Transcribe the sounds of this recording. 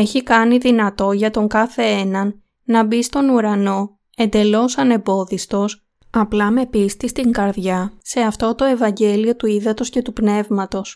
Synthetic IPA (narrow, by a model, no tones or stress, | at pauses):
e̞çikɐniðinɐt̪o̞ʝɐt̪o̞ŋkɐθe̞enɐnː | ɐbist̪o̞nuɾɐno̞ | e̞nd̪e̞lo̞sɐne̞bo̞ðist̪o̞s | ɐplɐme̞pist̪ist̪iŋɡɐɾðʝɐse̞ɐft̪o̞t̪o̞e̞vɐɲɟe̞lio̞t̪uiðɐt̪o̞sce̞t̪upne̞vmɐt̪o̞s